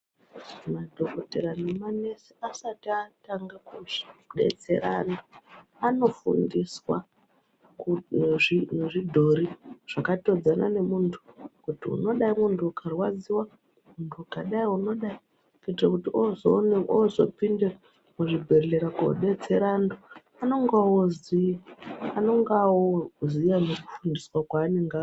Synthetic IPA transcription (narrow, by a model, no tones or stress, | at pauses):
madʱoko̞teɾanemane̞seasatiataŋɡakuʐi̥ɗe̞̰t͡se̞ɾa̰naano̞fṵndiswa | kʐineʐidʱo̞ɾiʐ̥akato̞d͡zana̰ne̞muntʰu̥kutiṵno̞ɗaimuntʰuːkʰarwad͡ziwa | muntʰukaɗaiuno̞ɗai | kitrakutiʔozoneozo̞̰pinde | muʐibʱe̞rɮeɾako̰ɗe̞d͡zeɾando | ano̞ŋɡawozi | ano̞ŋɡawozijamuriku̥fundiswakwaːniŋɡaː